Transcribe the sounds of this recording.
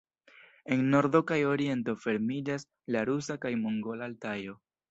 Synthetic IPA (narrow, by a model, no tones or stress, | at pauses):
e̞nːo̞ɾdo̞kajo̞ɾie̞nto̞fe̞ɾmid͡ʒas | laɾusakajmoŋɡo̞laːltajo̞